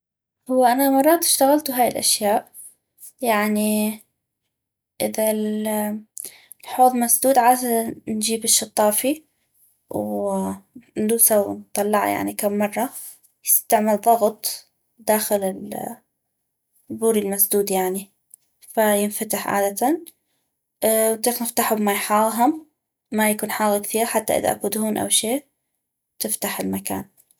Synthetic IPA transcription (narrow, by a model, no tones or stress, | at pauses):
hʊwːaʔanamɑrˤːɑːt̪ɪ̥ʃt̪aɣalt̪ʊɦaːjɪlʔa̰ʃjaːʔ | jaʕni | ʔɪðal | lħoːðˤmasd̪uːd̪ʕaːzand͡ʒiːbɪʃːɑt̪ˤːɑːfi | w | nd̪uːsawnt̪ˤːɑlːɑʕa̰ja̰ʕnikamːɑrˤːɑ | jɪst̪aʕmalðˤɑɣt̪ˤ | d̪aːxɪlɪl | buːɾilmasd̪uːd̪jaʕni | fajɪnfat̪ɪħʕa̰ːd̪at̪an | wnt̪ˤiːxnɪft̪aħʊbmajħaːɣɦʊmː | ajakuːnħaːɣkθiːɾħat̪ːa̰ʔɪ̰ða̰ʔa̰kuːd̪huːnʔa̰wʃeː | t̪ɪft̪aħɪlmaka̰ːn